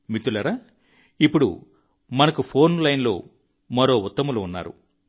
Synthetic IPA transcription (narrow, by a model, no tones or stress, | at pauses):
mit̪ːulɐɾaː | ipːuɽṵ | mɐnɐkupʰo̞ːnlɐjnlo̞ː | mɐɾo̞ːut̪ːɐmuluunːa̰ːɾṵ